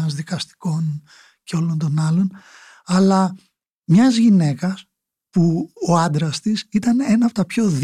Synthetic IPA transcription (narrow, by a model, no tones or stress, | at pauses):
ɐzðikɐst̪i̥ko̞n | ce̞o̞lo̞nt̪o̞nɐlo̞n | ɐlɐ | mɲɐzʝine̞kɐs | puoɐnd̪ɾɐst̪isit̪ɐnenɐːpo̞t̪ɐpço̞ð